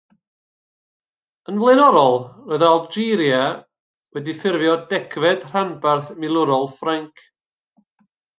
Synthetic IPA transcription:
ənvlˠenɔɾɔlˠroɨðalˠbd͡ʒiɾja | wɛdifɪɾvjɔdɛkʰvɛd̥r̥anbarθmɪlˠʊɾɔlˠfraŋkʰ

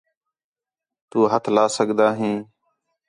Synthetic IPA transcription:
t̪uːɦət̪ʰlaːsəɠd̪aːɦĩː

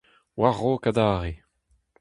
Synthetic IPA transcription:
waʁokad̪aːʁe

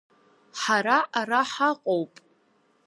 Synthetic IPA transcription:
ħaɾaaraħaqʼowpʼ

